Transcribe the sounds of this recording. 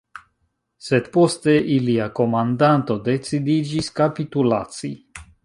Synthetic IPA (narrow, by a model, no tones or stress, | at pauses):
sed̪po̞st̪eʔiliako̞mand̪ant̪o̞d̪e̞t͡sid̪id͡ʒiskapit̪ulat͡si